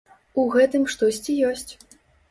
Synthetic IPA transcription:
uɣɛt̪ɨmʂt̪ɔsʲt͡sʲijɔsʲt͡sʲ

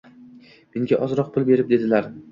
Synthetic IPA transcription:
mɪŋɡʲaʔɒzɾɒq̚pʰʊlˠbe̞ɾɪp̚d̪e̞d̪ɪlaɾ

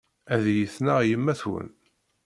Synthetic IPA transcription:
æðjəθnaʁjəmːæθwə̰n

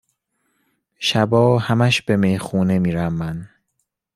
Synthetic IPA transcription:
ʃæbɒːhæmæʃb̥e̞mejxuːne̞miːɾæmːæn

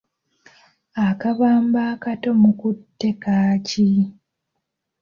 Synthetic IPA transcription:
akaβaːmbaːkato̞mukutːe̞kaːci

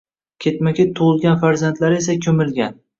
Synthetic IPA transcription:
kʲʰet̪makʲet̪ʰːoʁʊlˠɡʲanfaɾzant̪laɾesakʲʰɵmɪlɡʲan

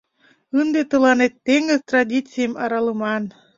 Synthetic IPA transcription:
ɨnd̪et̪əlˠɑnet̪ːeŋəzt̪radʲit͡sijəmɑɾɑlˠəmɑn

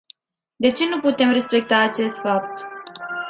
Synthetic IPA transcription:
d̪e̞t͡ʃe̞nuput̪e̞mre̞spe̞k̚t̪aːt͡ʃe̞st̪fap̚t̪

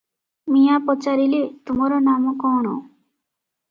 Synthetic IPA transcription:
mijapɔt͡ʃaɾilet̪umɔɾɔnamɔkɔɽ̃ɔ̰

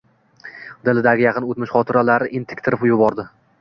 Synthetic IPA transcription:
d̪ɪlɪd̪aɡʲɪjɑqʰɨnot̪mɪʃχɒt̪ʰɪɾalaɾɪʔɪnt̪ʰɪ̥kʲt̪ʰɪɾɪpjʊbɒɾd̪ɪ

